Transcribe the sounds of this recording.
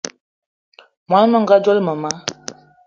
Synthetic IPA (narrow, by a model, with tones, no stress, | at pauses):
mwa˨˦n˦mə˦ŋ˨ɡa˦d͡ʒɔ˦lmə˨ma˦